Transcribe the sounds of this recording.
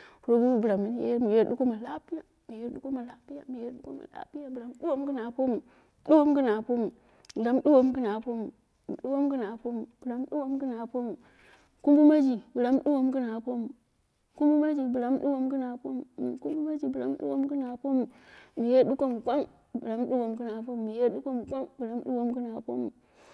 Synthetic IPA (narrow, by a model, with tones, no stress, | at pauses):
fu˨ɾo˦ɡu˦u˦bɾa˨mi˨n˦jḛ˦mi˨je˦ɗu˦ko˦ma˨la˦pi˦ja˨ | mi˨je˦ɾɗu˦ko˦ma˨la˦pi˦ja̰˨mi˨je˦ɗu˦ko˦ma̰˨la̰˦pi˦ja˨bɾa˨˦m˦ɗu˦wo˦m˦ɡɨ˦na˨po˦mu˨ | du˦wo˦m˦ɡɨ˦na˨po˦mu˨ | bɨ˨ɾa˨˦m˦du˦wo˦mɡɨ˦na˨po˦mu˨ | ɗu˦wo˦mɡɨ˦na˨po˦mu˨b̥u˨ɾa˨m˦ɗu˦wo˦mɡə˦na˨po˦mu˨ | ku˦mbu˦ma˦d͡ʒi˨bɨ˨la˦mɗu˦wo˦mkɨ˦na˨po˦mu˨ | ku˦mbu˦ma˦d͡ʒi˨bu˨la˦m˦ɗu˦wo˦mkɨ˦na˨po˦mu˨ku˦bu˦ma˦d͡ʒi˨bu˨a˨˦m˦ɗṵ˦wo˦mkɨ˦na˨po˦mu˨mi˨je˦ɗu˦ko˦mu˨ka˦m | bu˨la˦m˦ɗu˦wo˨mkɨ˦na˨po˦m˨mi˨je˦ɗu˦ko˦mu˨ka˦mbu˨la˦m˦ɗṵ˦wo˦mkɨ˦na˨po̰˦mu˨